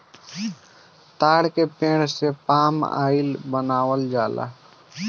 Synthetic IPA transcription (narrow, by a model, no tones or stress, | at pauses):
t̪aːɽkepẽːɽsepaːma̰ːɪlbənaːwəld͡ʒaːla̰ː